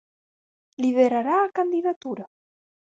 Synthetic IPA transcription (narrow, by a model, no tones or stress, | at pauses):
liðeɾaɾaːkand̪iðat̪uɾa